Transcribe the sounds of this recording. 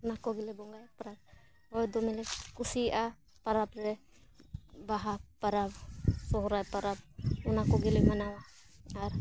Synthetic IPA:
unakɔɡɛlɛbɔŋɡajpaɾap̚ | ɔjd̪ɔmɛlɛkusiʔa | paɾapɾɛ | baɦapaɾap̚sɔɦɔɾajpaɾap̚unakɔɡɛlɛmanawaː | ɾ

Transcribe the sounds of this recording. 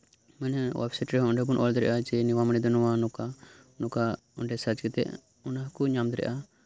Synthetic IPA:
mɛnɛwa̰bsɛʈɾɛɦɔɳɖɛbunʔɔld̪ɾɛʔad͡ʒɛniwamañid̪ɔnɔwanɔka | nɔka | ɔɳɖɛsad͡ʒɡɛt̪ɛ̰ʔ | ɔnaɦkuɲamd̪ɾɛ̰ʔa

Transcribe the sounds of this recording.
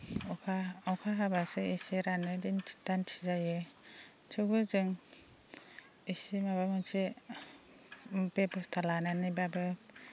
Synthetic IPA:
kʰaɔwkʰaɦabasɯiseɾanɯdintʰi̥tantʰizajɯ | tʰɯbɯzɯŋ | isimaβamɯnsʰi | bepɯstʰalananibabɯ

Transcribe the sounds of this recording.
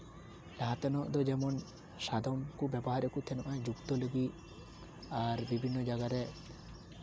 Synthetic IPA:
laɦt̪ɔnɔʔd̪ɔd͡ʒɛmɔn | sad̪ʱɔmkubjɛbɔɦaɾekut̪ʰɛnɔʔãjd͡ʒukt̪ɔləɡi | aɾbibʱinːɔd͡ʒaɡaɾɛ

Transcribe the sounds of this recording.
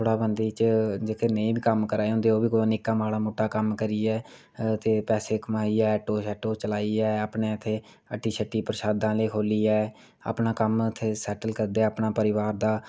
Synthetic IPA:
t̪ʰoːɽaːbənd̪iːt͡ʃd͡ʒeːkʰeːnəĩːbiːkəmkəɾaːeɦʊ̃nd̪eːoːbiːkonɪkãːmaːɽaːmoːʈːaːkəmkəɾiːɛː | t̪eːpɛːseːkəmaːiːɛːɛːʈoːsɛːʈoːt͡ʃəlaːiːɛːaːpɳeːɪt̪ʰːeː | əʈːiːʃʰəʈːiːpəɾʃaːd̪ãːleːkʰoːliːɛː | a̰ːpnaːkəmɪt̪ʰːeːsɛːʈəlkəɾd̪eɛːəpnaːpəɾɪʋaːɾd̪aː

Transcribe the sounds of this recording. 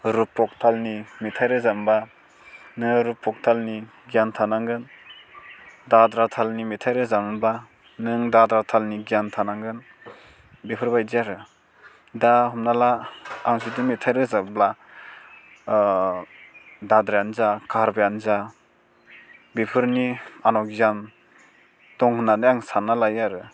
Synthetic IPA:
ɾupʰːɔk̚tʰalnimitʰajɾɯzamba | nɯŋɾupʰːɔk̚tʰalni | ɡijantʰanaŋɡɯn | dadɾatʰalnimitʰajɾɯzamba | nɯŋdadɾatʰalniɡijantʰanaŋɡɯn | bepʰɯɾbajzijaɾɯ | daɦɔmnalaaŋsidimetʰajɾɯzabla | dadɾajanzakʰaɾbajanza | bepʰɯɾnianɔkzan | tɔŋhɯnanɯjaŋsanalajaɾɯ

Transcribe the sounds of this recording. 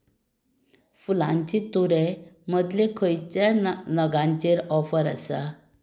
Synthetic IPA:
fulãɲt͡ɕit̪uɾeməd̪ʱlekʰəjt͡ɕanəɡãɲt͡ɕeɾɔfəɾə̰sa

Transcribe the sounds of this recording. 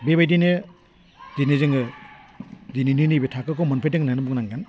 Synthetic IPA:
bebajdinɯ | dinizɯŋɡɯ | dininɯnɯbetʰakɯkɔmanpʰajdɯŋnaŋnɯbuknaŋɡan

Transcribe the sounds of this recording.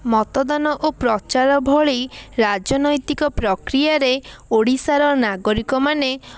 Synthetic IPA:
mɔt̪ɔd̪anɔʔopɾɔt͡ʃaɾɔbʱɔɭiɾad͡ʒɔnɔjt̪ikɔpɾɔkɾijaɾeoɽisaɾɔnaɡɔɾikɔmane

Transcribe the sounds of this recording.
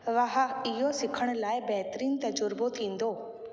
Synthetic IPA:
ʋɐɦaɪɦosɪkʰəɽ̃ʊ̆laːɪbɛɦt̪ɾiːnt̪ɐd͡ʑʊɾbot̪ʰĩːn̆d̪oː

